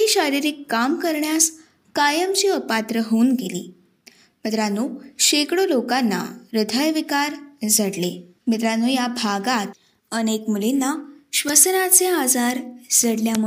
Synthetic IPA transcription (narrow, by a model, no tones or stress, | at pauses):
iːɕaɾiɾiːkːamkəɾɳjas | kajəmt͡ɕiːəpat̪ɾəɦounɡelḭː | mət̪ɾanːuːɕekɽolokanːa̰ɾəd̪ʱəjʋikaɾd͡zʱaɽle | mit̪ɾanuːjabʱaɡat̪ | ənekmulinːaɕʋəsnat͡sead͡zaɾd͡zʱəɽljamu